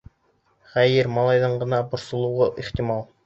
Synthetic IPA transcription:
χæjɘɾmɑlˠɑjðɤɴɢɤ̆nɑbŏɾsŏlˠɤ̆wʁɤʔiχt̪imɑlˠ

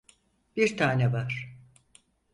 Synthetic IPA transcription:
biɾt̪ʰaːnɛvaɾ̥

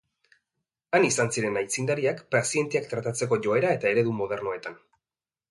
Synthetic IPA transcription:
anisansiɾe̞najt͡sind̪aɾiakpɾasie̞nt̪iakt̪ɾat̪at͡se̞k̬o̞ʝo̞e̞ɾae̞t̪ae̞ɾe̞ðumo̞ð̞e̞rno̞e̞t̪an

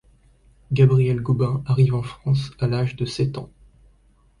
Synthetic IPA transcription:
ɡabʁiɛlɡubɛ̃aʁivɑ̃fχɑ̃salaʒd̪əsɛt̪ɑ̃

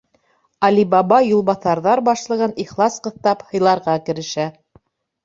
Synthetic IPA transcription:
ɑlibɑbɑjulˠbɑθɑɾðɑɾbɑʃlˠɤ̆ʁɤniχlˠɑsqɤ̆θt̪ɑphɤ̆jlˠɑɾʁɑkɘ̆ɾɘ̆ʃæ

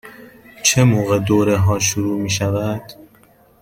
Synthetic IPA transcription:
t͡ʃʰemoːɣed̪oːɾeɦɒːʃ̬uɾuːmiːʃævæd̪̥

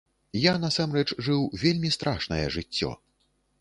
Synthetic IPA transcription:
janasamɾɛt͡ʂʐɨwvʲelʲmʲist̪ɾʔaʂnɐ̰jɛ̰ʐɨt͡sʲːɔ̰

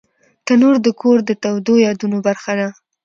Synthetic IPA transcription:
t̪anoɾd̪əkʰoɾd̪ət̪awd̪ojɑd̪unobaɾxad̪a

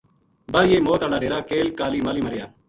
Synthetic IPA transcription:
bəɾjeːmoːt̪aːɽaːɖeːɾaːkeːlkaːliːmaːliːməɾjaː

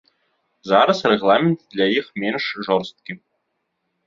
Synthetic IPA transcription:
zɑɾɤ̆srʲeɣlˠɑmʲɪnt̪d̪lʲaiχmʲenʲʂʐorst̪̚kʲi

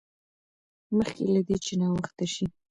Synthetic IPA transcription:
məxkelad̪et͡ʃenɑwəxt̪aʃi

